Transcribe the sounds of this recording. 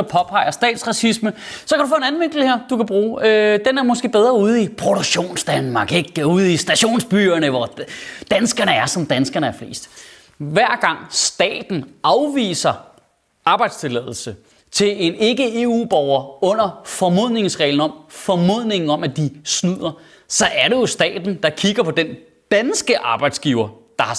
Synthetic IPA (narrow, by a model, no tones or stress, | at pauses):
ɑpʰɒ̽pʰɑ̈ɪ̰ɐsd̥ɛ̰ːd̥sʁɑ̈sisməsɒkæɾ̥ufɔ̽enæn̩ʋe̝ŋ̰ɡ̥l̩heɐ̰d̥ukʰæb̥ʁuːød̥enæɐmɒ̽sɡ̥e̝̰ːb̥eð̞ˠʁɐuð̞ˠipʰʁo̝ɾ̥oɡ̥ɕo̝̰ːnsd̥ænmɑ̈ɡ̥eɡ̥uð̞̩ˠisd̥æɕo̝̰ːnsb̥yɐnəʋɒd̥ænsɡ̥ɐnəæɐsɒ̽md̥ænsɡ̥ɐnəæɐfle̝̰ːsd̥ | ʋæɐ̰ɡ̥ɑ̈ŋ̰sd̥ɛ̰ːd̥n̩ɑ̈ʊʋḭːsɐ | ɑ̈ːb̥ɑ̈ɪd̥st͡sʰe̝lɛð̞̰ˠl̩sə | t͡sʰe̝le̝ne̝ɡ̥əe̝ṵːb̥ɒʊɐɔ̽n̰ɐfɒ̽mo̝ð̰ˠne̝ŋsʁɛ̰ɪln̩ɒ̽mfɒmoð̰ˠne̝ŋn̩ɒ̽mæd̥isnuð̰ˠɐ | sɒ̽ʔæɐɾe̝jo̝sd̥ɛ̰ːd̥n̩d̥ɑ̈kʰiɡ̥ɐpʰɒ̽d̥en | d̥ænsɡ̥əʔɑ̈ːb̥ɑ̈ɪd̥sɡ̥iːʊɐ | d̥ɑ̈h